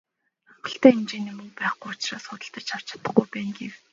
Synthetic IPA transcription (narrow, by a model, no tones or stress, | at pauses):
aɢə̆ɬt̪æːemt͡ɕeːniːmɵŋpæːχɡujʊt͡ɕraːsχʊt̪ə̆ɬt̪ə̆t͡ɕt͡ɕʰaw̥t͡ɕḁt̪ə̆χɡujpæːŋɡew